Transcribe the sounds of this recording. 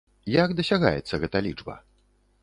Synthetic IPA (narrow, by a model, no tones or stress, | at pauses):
jakd̪ɐsʲaɣa̰jɛt̪sːɐɣɛt̪ɐlʲid͡ʐbɐ̰